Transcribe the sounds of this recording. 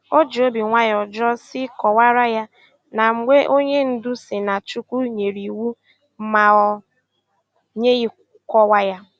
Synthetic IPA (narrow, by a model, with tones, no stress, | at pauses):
o˦d͡ʒo˦bi˨ŋʷa˦jɔ˨d͡ʒɔ˦sɪ˦kɔ˨wa˦ɾa˦ja˦ | na˨ŋ͡m̩˨ŋe˦ʔo˦ɲe˦n̩˦dʊ˦sɪ˨na˨t͡ʃu˦kʷu˦ɲe˨ɾi˨wu˦ | ma˨ɔ˨ | ɲe˦ɣi˦ | kɔ˦wa˦ja˦